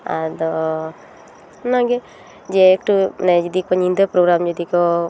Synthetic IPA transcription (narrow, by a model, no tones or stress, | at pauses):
a̰d̪ɔ | nãɡe | d͡ʒeːkʈunɛd͡ʒɔd̪ik̚pɔɲĩnd̪əpɾoɡɾamd͡ʒɔd̪ikɔ